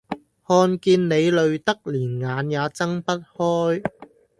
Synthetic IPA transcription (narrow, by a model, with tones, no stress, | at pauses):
hɔː˧nkiː˧nne˨˧jlɵ˨˧ɥt̪ɐ˥k̚liː˨˩nŋaː˨˧njaː˨˧t͡sɐ˥ŋpɐ˥t̚hɔː˥j